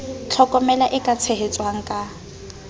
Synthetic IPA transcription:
t͡ɬʰɔkʼɔmɛlaʔɪkʼat͡sʰeɦet͡sʼwaŋ̩kʼa

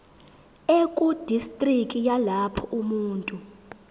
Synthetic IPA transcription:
ekʼud̥ʱistʼrikʼijalapʰɔʔumuːntʼu

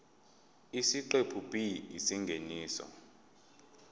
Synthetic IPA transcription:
isiǃepʰupʼiisiŋɡʱeniːsɔ̰

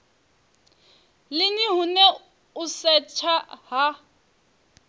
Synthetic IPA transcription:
lɪniɦʊnɛ | ʊsɛt͡ʃʰaɦa

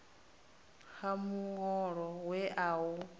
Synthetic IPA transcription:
hamuŋɔɺɔwɛʔau

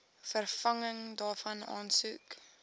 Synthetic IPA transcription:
fərfɐŋəŋdɑːfɐnɑ̰ːnsuk

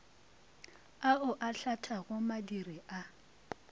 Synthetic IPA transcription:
aʊʔaɬatʰaɣʊmadiriʔa

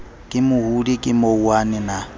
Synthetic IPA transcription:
kʼɪmʊhulikʼɪmouwanɪna

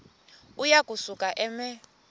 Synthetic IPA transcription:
ujakʼusukʼaʔɛmɛ

